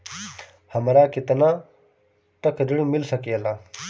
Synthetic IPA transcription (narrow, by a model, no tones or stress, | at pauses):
həmɾaːkɪt̪nãː | t̪əkʰɾɪɽmɪlsəkeːlaː